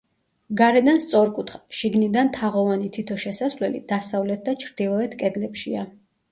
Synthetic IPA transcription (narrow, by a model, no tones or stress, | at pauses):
ɡaɾɛd̪anst̪sʼɔɾkʼut̪ʰχḁʃiɡnid̪ant̪ʰaʁɔvanit̪ʰit̪ʰɔʃɛsasvlɛlḭd̪̥asavlɛt̪̚ʰd̪at͡ʃʰɾd̪̥ilˠɔɛt̪ʰkʼɛd̪lɛpʃia